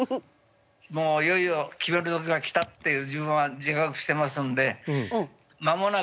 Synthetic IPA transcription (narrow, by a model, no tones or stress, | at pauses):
moːijo̞iokʲibe̞ɾɯ̟t̪o̞k̬ʲiɡakʲi̥t̪at̪ːe̞jɯ̟ːd͡ʑibɯ̟̃ɰ̃ad͡ʑikakɯ̟̥ɕi̥t̪e̞masɨ̃nd̪e̞ | mamo̞na